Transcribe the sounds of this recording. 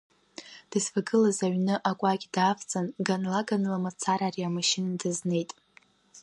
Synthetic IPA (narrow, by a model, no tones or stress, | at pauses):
d̥ɨzfaɡɨlazaɥnɨʔakʷʼaɡʲdaːft͡sʼanɡanlaɡanlamat͡sʰaɾariamaʃɪnadɨzne̞jtʼ